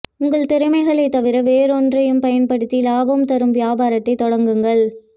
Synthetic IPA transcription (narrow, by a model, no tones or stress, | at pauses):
ʊŋɡɐɭt̪ɛɾɯmɐɪɣɐɭɐɪt̪ːɐʋɪɾɐʋeːɾɔndrɐjɯmpɐjɐnpɐɽɯt̪ːilaːbɐmt̪ɐɾɯmʋɪjaːbaːɾɐt̪ːɐɪt̪ːɔɽɐŋɡɯŋɡɐɭ